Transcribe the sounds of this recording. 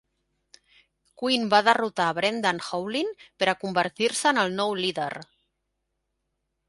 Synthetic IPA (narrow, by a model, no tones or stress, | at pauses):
kwinbaðərut̪aβɾend̪anxowliŋpəɾəkumbəɾt̪iɾsəːnəlˠnɔwliðḛɾ